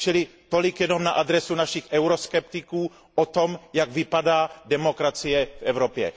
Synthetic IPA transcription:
t͡ʃɪlɪt̪olɪkjɛno̞mnaʔad̪ɾɛsunaʃɪxʔɛwɾoskɛpt̪ɪkuː | ʔot̪o̞mjaɡvɪpadaːdɛmo̞kɾat͡sijɛfʔɛvɾopjɛ̰

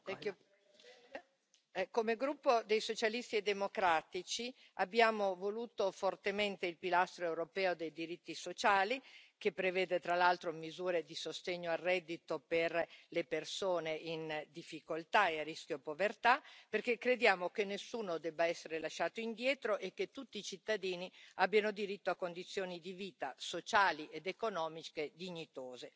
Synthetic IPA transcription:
ɛkː | komeɡɾupːod̪ejsot͡ʃalist̪ied̪ːemokɾaːt̪it͡ʃi | abːjaːmovoluːt̪ofort̪ement̪eilpilast̪ɾoewɾopɛːod̪ejd̪iɾit̪ːisot͡ʃaːlikepːɾevɛːd̪et̪ɾalalt̪ɾomizuːɾed̪isost̪eɲːoarːɛd̪ːit̪operlepersoːneind̪ifːikolt̪aearːisk̟jopovert̪aperkekːɾed̪jaːmokenːesːuːnod̪ɛbːaɛsːeɾelaʃːaːt̪oind̪jɛːt̪ɾoʔekːet̪ːut̪ːiːt͡ʃit̪ːad̪iːniabːjanod̪iɾit̪ːoakːond̪it̪sːjoːnid̪iviːt̪asot͡ʃaːliʔed̪ekonɔːmiked̪iɲːit̪oːze

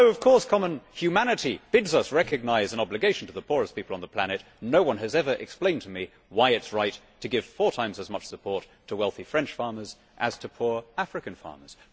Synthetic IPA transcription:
oʊʌv̥kʰɔɹskʰɑmə̃nhjʉmænɨɾib̥ɪdzʌsɹɛkɨɡ̚naɪzɨ̃nɑblɨɡeɪʃn̩tʰɨðəpʰʊɹɨspipl̩ˠə̃nðəpʰl̥æñɨt | noʊwʌ̃nɨzɛvə˞ʔɨ̰ksplẽɪ̃ntʰɨmi | waɪɨtsɹaɪtʰɨɡɪv̥fɔɹtʰãɪ̃mzɨzmʌt͡ʃsɨpʰɔɹtʰəwɛlˠθifɹɛ̃nt͡ʃfɑɹmə˞z̥ | ʔɨz̥tʰɨpʰuɹæfɹɨkɨ̃nfɑ̰ɹmə̰˞z̥

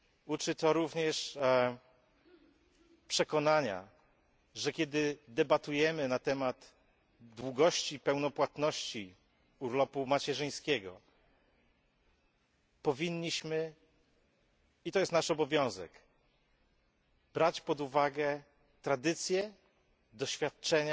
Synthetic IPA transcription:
ut͡ʂɘt̪ɔɾuvɲɛʂ | pʂɛkɔnaɲa̰ | ʐɛkʲɛd̪ɘd̪ɛbat̪ujɛmɘnat̪ɛmad̪ | d̪wuɡɔɕt͡ɕipɛwnɔpwat̪nɔɕt͡ɕi | uɾlɔpumat͡ɕɛʐɘj̃skʲɛɡɔ̰ | pɔvʲiɲːiɕmɘ | it̪ɔjɛst̪naʂɔbɔvʲjɔ̃w̃zɛ̰k | b̥ɾat͡ɕpɔd̪uvaɡɛ | t̪ɾad̪ɘt̪sʲjɛ | d̪ɔɕfʲjat̪̚t͡ʂɛɲa

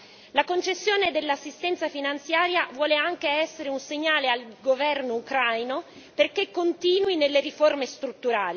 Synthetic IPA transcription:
lakont͡ʃesːjoːned̪elːasːist̪ɛnt̪safinant̪sjaːɾjavwɔːleaŋk̟eɛsːeɾeunseɲːaːlealɡovɛrnoukɾajno | perkekːont̪iːnwinelːeɾiformest̪ɾut̪ːuɾaːli

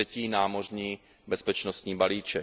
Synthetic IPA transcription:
ɛciːnaːmo̞rɲiː | bɛspɛt͡ʃnost̪ɲiːbaliːt͡ʃɛ

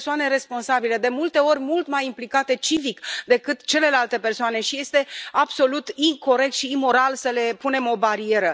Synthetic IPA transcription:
soane̞ɾe̞spo̞nsabile̞d̪e̞mult̪e̞o̞rʲmult̪majimplikat̪e̞t͡ʃivikd̪e̞kɨt̪t͡ʃe̞le̞lalt̪e̞pe̞rsoane̞ʃije̞st̪e̞abso̞lut̪iŋko̞ɾe̞k̚t̪ʃiːmo̞ɾalsəle̞pune̞mo̞baɾie̞ɾə

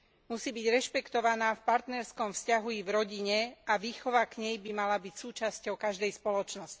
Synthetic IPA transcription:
musiːbiɟɾɛʃpɛkt̪ɔʋanaːfpaɾt̪nɛɾskɔmfscaɦuivɾɔɟiɲɛaʋiːxɔʋakɲɛjbimalabicsuːt͡ʃascɔʊkaʒd̪ɛjspɔlɔt͡ʃnɔsci̥

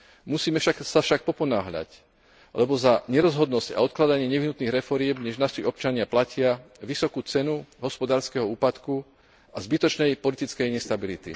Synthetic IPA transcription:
musiːmɛfʃaksafʃak̚pɔpɔnaːɦʎa̰c | lɛbɔzaɲɛɾɔzɦɔd̪nɔsca̰ɔt̪̚klad̪aɲɪɛɲɛʋiɦnut̪niːɣɾɛfɔɾɪɛmɲɛʒnaʃiɔp̚t͡ʃaɲɪaplacɪaʋisɔkuːt͡sɛnuɦɔspɔd̪aːɾskɛɦɔuːpat̪ku | azbit̪ɔt͡ʃnɛjpɔlit̪it͡skɛjɲɛst̪abilit̪ḭ

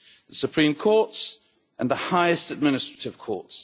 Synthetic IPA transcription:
ðəsəpʰɹ̥ĩmkʰɔˑts | ʔə̃nðəhaɪɪstəd̚mɪnɪstɹ̥ə̥tɪv̥kʰɔ̰ˑts

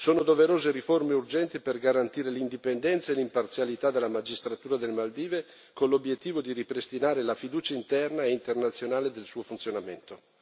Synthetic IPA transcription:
soːnod̪oveɾoːzeɾiformeurd͡ʒɛnt̪iperɡaɾant̪iːɾelind̪ipend̪ɛnt̪saelimpart̪sjalit̪ad̪elːamad͡ʒist̪ɾat̪uːɾad̪elmald̪iːve | konlobjet̪ːiːvod̪iɾipɾest̪inaːɾelafid̪uːt͡ʃaint̪ɛrnaeint̪ernat̪sːjonaːled̪elsuːofunt̪sjonament̪o

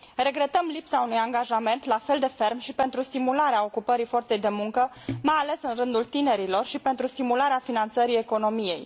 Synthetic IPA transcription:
re̞ɡɾe̞t̪əmlipsaunujaŋɡaʒame̞nt̪lafe̞ld̪e̞fe̞rmʃipe̞nt̪ɾust̪imulaɾeao̞kupəɾifo̞rt̪se̞jd̪e̞muŋkə | majale̞sɨnrɨnd̪ult̪ine̞ɾilo̞rʃipe̞nt̪ɾust̪imulaɾeafinant̪səɾie̞ko̞no̞mije̞̰j

